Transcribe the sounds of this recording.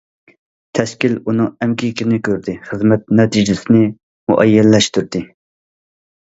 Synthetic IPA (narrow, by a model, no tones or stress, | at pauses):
t̪ʰɛskʲilunɨŋɛmkʲʰikʲɪnɪkʲʰøɾd̪ɪχəzmɛt̪̚nɛt̪ʰid͡ʒɪsɪnɪ | mṵʔɛjːɛlːɛʃt̪yɾd̪ɪ